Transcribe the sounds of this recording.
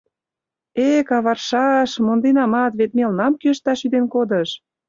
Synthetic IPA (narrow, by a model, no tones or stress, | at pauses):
ekɑβɑrʃɑʃmond̪enɑmɑt̪βet̪̚melnɑmkyəʃt̪ɑʃyd̪enkod̪əʃ